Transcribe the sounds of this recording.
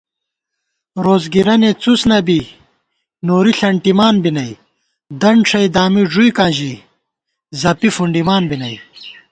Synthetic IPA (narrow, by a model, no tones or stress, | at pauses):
ɾoːzɡiɾɐnet͡susnɐbi | noːɾiɬɐɳʈimaːnbinɐi | d̪ɐɳʂʰɐjd̪aːmiʐujkãːʑi | zɐpifuɳɖimaːnbinɐj